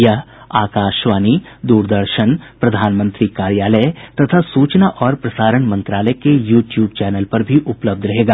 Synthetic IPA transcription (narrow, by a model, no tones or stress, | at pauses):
jɐɦaːkaːʃʋaːnid̪uːɾd̪əɾʃənpɾɐd̪ʱaːnmə̃nt̪ɾikaːɾjaːlət̪ɐt̪ʰasuːt͡ʃnaʔɔːɾpɾɐsaːɾəɳmɐ̃nt̪ɾaːləkejuːʈjuːbt͡ʃɛːnəlpɐɾbʱiʔʊpləb̚d̪ɾɐɦeːɡaː